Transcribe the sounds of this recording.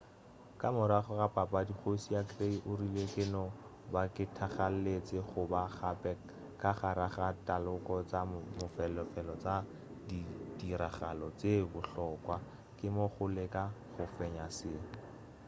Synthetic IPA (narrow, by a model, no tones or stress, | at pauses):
kamʊɾaχɔrapapʼadiχosiakreiʔʊrilekɪnɔ | bakɪtʰaχal̩let͡sɪχʊbaχapɛ | kaχaɾaχatalʊkɔt͡samʊfɛlɔfɛlɔt͡sa | didiɾaχalɔt͡sebʊɬɔkwa | kɪmoχʊlekaχʊfɛɲasɪːŋ̩